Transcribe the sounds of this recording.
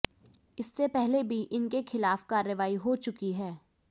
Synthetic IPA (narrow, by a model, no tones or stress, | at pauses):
ɪsːepɛɦlebʱiʔɪnkexʰɪlaːfkaːɾːəʋaːiɦot͡ʃʊkiɦɛː